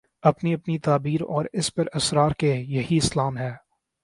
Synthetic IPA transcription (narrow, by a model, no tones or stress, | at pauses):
ɐpniɐpnit̪aːbiːɾɔ̰ːɾɪspɐɾɐsɾaːɾkejɐɦiɪslaːmɦɛː